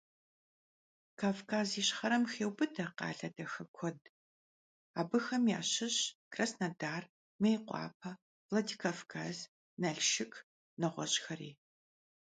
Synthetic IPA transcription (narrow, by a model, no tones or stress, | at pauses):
kʰaːvkʰaːziɕχɐɾɐmxeːwbɨdʰɐqɑ̰ːɬɐdɐxɐkʷʰɔd | aːbɨxɐmjaːɕɪɕkrɐsnɐdaːr | mejqʷɑ̰ːpʰɐ | vlɐdiːkʰaːfkʰaːz | nɐɮʃɪkʰʼ | nɐʁʷɔ̰ɕʼxɐɾḭː